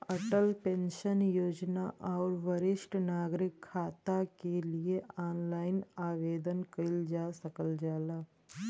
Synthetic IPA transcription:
ɐʈəlpẽnʃənjoːd͡ʒnaʔɔːɾʋəɾɪʃʈnaːɡɾɪkʰːaːt̪akelieaːnlaːɪnaːʋeːd̪ənkəld͡ʒaːsəkəld͡ʒaːlaː

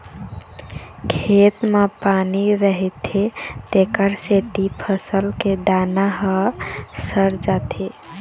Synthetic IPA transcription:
kʰet̪mepaniɾəɦɛt̪ʰet̪ekəɾset̪ipʰəsəlked̪anaɦəsəɾd͡ʒat̪ʰe

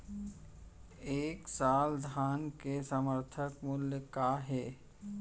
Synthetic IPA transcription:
eːksaːld̪ʱaːnkesəməɾt̪ʰəkmʊljəkaːɦɛː

